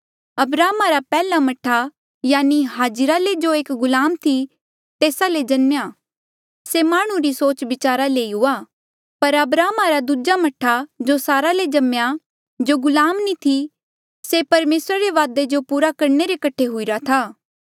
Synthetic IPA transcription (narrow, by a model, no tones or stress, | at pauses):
ɐbɾaːmaɾapɛːlamɐʈʰa | jaːniɦaːd͡ʒɾaled͡ʒoeːkɡʊlaːmt̪ʰi | t̪eːsaled͡ʒɐnmjaː | semaːɽ̃ũɾisoːt͡ʃʋɪt͡ʃaːɾaleːiɦʊaː | pɐɾɐbɾaːmaɾad̪ud͡ʒamɐʈʰːad͡ʒosaːɾaled͡ʒɐmja | d͡ʒoɡʊlaːmnit̪ʰi | sepɐɾmeːsɾaɾeʋaːd̪ed͡ʒopuːɾakɐɾneɾekɐʈʰːeɦʊiɾat̪ʰaː